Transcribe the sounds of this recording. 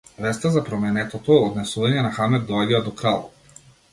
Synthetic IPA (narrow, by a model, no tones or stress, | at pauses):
vɛst̪azapɾɔmɛnɛt̪ɔt̪ɔɛɔd̪nɛsuvaɲɛnaxamɛd̪̚d̪ɔaɟɛad̪ɔkɾalˠɔ